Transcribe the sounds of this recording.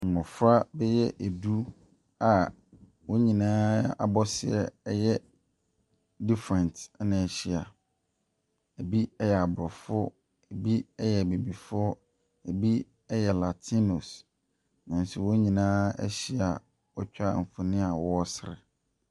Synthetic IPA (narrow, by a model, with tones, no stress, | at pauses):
ŋ̩˨mʊ̃˨fɾa˦bɛ˦jɛ˦ʔæ˨du˦ | a˨ | wɔ˦ɲĩ˨nãː˦a̰˨bɔ˦sɪ˨ɛ̰˦˨ɛ˦jɛ˦ | di˦fɾɛ̃˨ntnã˨ɕi˦a˨ | æ˨bi˦ɛ˦jɛ˨a˨bɾɔ˨fʊ˦ | æ˨bi˦ɛ˦jɛ˨be˨bi˨fʊ˦ | ɛ˨bi˦ | ɛ˦jɛ˨la˨tʰi˦no˨s | nã˨n˨si˨wɔ˦ɲĩ˨nãː˦ɛ̰˦ɕi˦a˨ | ɔ˦t͡ɕᶣa˦˨m̩˨fʊ˨nɪ̃˦a˨wɔ˦ɔ˦sɪ˨ɾɪ̰˨